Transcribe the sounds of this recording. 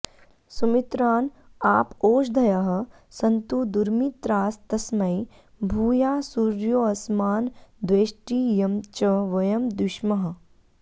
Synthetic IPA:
sumit̪ɾaːn | aːpoːʃd̪ʱɐjɐɦɐ̆ | sɐnt̪ud̪uɾmit̪ɾaːst̪ɐsmɐj | bʱuːjaːsuɾjoːɐsmaːnd̪ʋeːʃʈiːjɐmt͡ʃɐʋɐjɐmd̪uʃmɐɦɐ̆

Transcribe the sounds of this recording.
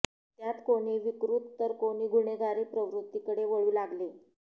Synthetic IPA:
t̪jat̪koɽ̃iːʋikɾut̪ːəɾkoɽ̃iːɡʱuɳeɡaɾipɾəʋɾut̪ːikəɽeʋəɭuːlaɡle

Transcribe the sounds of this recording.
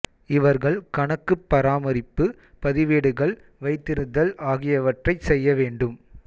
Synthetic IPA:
ɪʋɐɾɣɐɭkɐɳɐkːɯpːɐɾaːmɐɾɪpːɯ | pɐðɪʋeːɽɯɣɐɭ | ʋɐɪt̪ːɪɾɯnd̪ɐlaːɣɪjɐʋɐʈrɐɪsɛjːɐʋeːɳɖɯm

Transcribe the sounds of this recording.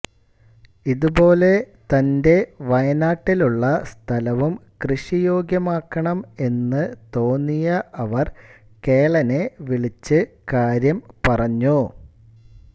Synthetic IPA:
iðubo̞ːle̞ | t̪ɐnde̞ʋɐjɐnaːʈːiluɭːɐst̪ʰɐlɐʋumkrɨɕijo̞ːɡjɐmaːkːɐɳɐme̞nːɨt̪o̞ːnːijɐʔɐʋɐr | ke̞ːɭɐne̞ʋiɭit͡ɕːɨkaːɾjɐmpɐrɐɲːu

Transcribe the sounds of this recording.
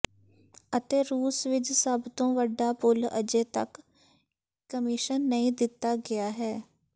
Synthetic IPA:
ət̪eːɾuːsʋɪt͡ʃsəbt̪õːʋəɖːaːpʊlə̰d͡ʒeːt̪ə̰k | kːəmɪʃənːəĩːd̪ɪt̪ːaːɡɪjaːɦɛː

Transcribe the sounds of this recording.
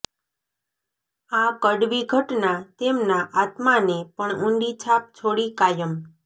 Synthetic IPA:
akəɖʋiɡʱəʈnat̪emnaʔat̪manepəɳũɳɖit͡ʃʰap̚t͡ʃʰoɽikajəm

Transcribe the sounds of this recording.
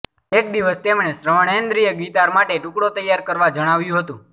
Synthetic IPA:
ekd̪iʋəst̪emɳesɾəʋəɳend̪ɾijəɡit̪aɾmaʈeʈũkɽot̪əjːaɾkəɾʋad͡ʒəɽ̃aʋjũɦət̪ũ

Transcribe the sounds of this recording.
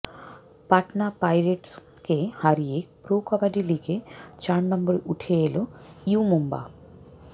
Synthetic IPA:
pɐʈnapɐjɾeʈs | kehaɾijekpɾoːkabaɖiliket͡ʃaːɳnɐmbɐɾuʈʰejelouːmumba̰

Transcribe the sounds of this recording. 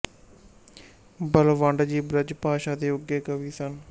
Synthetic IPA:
bəlʋə̃ɳɖd͡ʒiːbɾɪd͡ʒpaːʃaːd̪eːʊɡeːkəʋiːsən

